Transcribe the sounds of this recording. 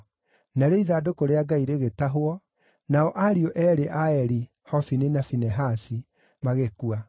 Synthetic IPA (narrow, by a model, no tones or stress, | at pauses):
naɾeiðaːdokoɾeaɡaiɾeɣetaɦwɔ | naɔʔaɾioʔɛːɾeʔaɛɾi | hɔfininafinɛɦasi | maɣekua